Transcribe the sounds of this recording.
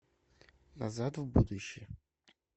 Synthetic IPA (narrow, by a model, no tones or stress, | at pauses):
nɐzat̪vbud̪ʊɕːɪj